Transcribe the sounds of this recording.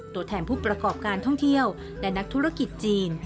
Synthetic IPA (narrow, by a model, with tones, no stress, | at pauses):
t̪u˧˥ət̪ʰɛː˧npʰuː˥˩pɾa˧kɔː˨˩p̚kaː˧nt̪ʰɔ˥˩ŋt̪ʰi˥˩əw | lɛ˦˥na˦˥k̚t̪ʰu˦˥ɾa˥˩ki˨˩t̪̚t͡ɕiː˧n